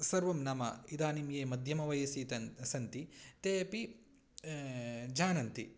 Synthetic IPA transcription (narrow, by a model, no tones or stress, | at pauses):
sɐɾʋɐmnɐmɐ̰id̪aːnimjeːmɐd̪ʱjɐmɐʋɐjɐsit̪ɐnsɐnt̪it̪eːpi | d͡ʒʱaːnɐnt̪i